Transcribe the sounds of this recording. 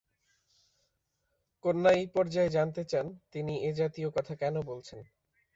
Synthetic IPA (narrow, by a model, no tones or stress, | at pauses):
konːajpɔɾd͡ʑaed͡ʑant̪et͡ɕant̪inied͡ʑat̪iokɔt̪ʰakɛnobolt͡ɕʰen